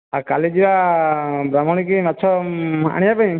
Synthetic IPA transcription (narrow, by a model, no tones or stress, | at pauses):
aɾkalid͡ʒiba | bɾamɔɽ̃ikimat͡ʃʰɔa̰ɽ̃ĩjapaj̃